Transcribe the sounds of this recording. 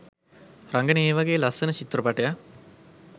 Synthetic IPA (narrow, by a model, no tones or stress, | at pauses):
ɾaŋɡəneːʋaɡeːlɐsɐnət͡ʃit̪ɾɐpɐʈɐja